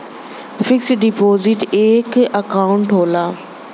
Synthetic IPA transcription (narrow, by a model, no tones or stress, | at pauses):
fɪksɖipoːzɪʈeːkɐkaːʊ̃ɳʈɦoːlaː